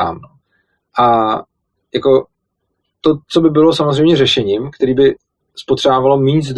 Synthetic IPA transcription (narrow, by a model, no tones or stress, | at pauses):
a̰ːmno | ʔa | jako̞ | t̪o̞t͡so̞bɪbɪlo̞samozrɛjmɲɛrɛʃɛɲiːmkt̪ɛɾiːbɪ | spot̪r̝̥aːvalomiːzd